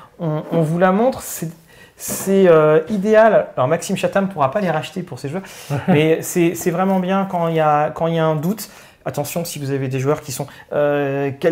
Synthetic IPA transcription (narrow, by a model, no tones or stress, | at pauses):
ɔ̃ɔ̃vulamɔ̃t̪χsɛ | sɛøid̪ealalɔʁmaksimʃat̪ampuʁapaleʁaʃt̪epuʁseʒwœʁmɛsɛsɛvʁɛmɑ̃bjɛ̃kɑ̃iljakɑ̃iljaɛ̃d̪ut̪ | at̪ɑ̃sjɔ̃sivuzaved̪eʒwœʁkʲisɔ̃ | økʲɛ